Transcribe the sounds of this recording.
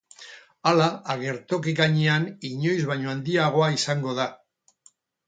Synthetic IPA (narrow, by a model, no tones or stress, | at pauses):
alaːɣe̞ɾt̪o̞keɣaɲeaniɲo̞jzβaɲo̞and̪iaɣ̞o̞aisaŋɡo̞ð̞a